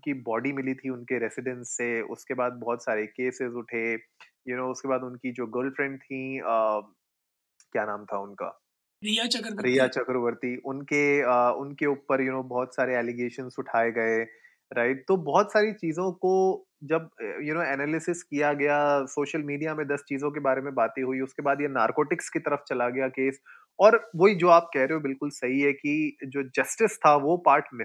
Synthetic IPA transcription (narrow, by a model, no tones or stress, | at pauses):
ʊnkibɔːɖimɪlit̪ʰiʊnkeɾɛsɪɖɛ̃nsːeʊ̰skebaːd̪̚bɔːt̪saːɾekeːsɪzʊʈʰe | jʊnoːʊskebaːd̪ʊnkid͡ʒoːɡəːɾlɖfɾɛ̃ɳɖ̚t̪ʰĩəː | kjaːnaːmt̪ʰaʊnka̰ː | ɾijat͡ʃɐkɾɾijat͡ʃɐkɾʋəɾt̪iʔʊnkeəʊnkeuːpəɾjʊnoːbɔːt̪saːɾeɛːliɡeːʃənsʊʈʰaːeɡɐe | ɾaːɪʈ̚t̪obɔːt̪saːɾit͡ʃiːzõko | d͡ʒɐbjʊnoːɛːnɛːlɪsɪskijaɡɐjasoːʃəlmiːɖijamẽd̪ɐst͡ʃiːzõk̬ebaːɾemẽbaːt̪iɦuiʊskebaːd̪jenaːɾkoːʈɪkskit̪ɐɾəft͡ʃɐlaɡɐjakeːs | ɔːɾʋoɦid͡ʒoːaːp̚kɛɦɾeɦõbɪlkʊlsɐɦiɦɛkid͡ʒoːd͡ʒɐsʈɪst̪ʰaʋopaːɾʈnɪ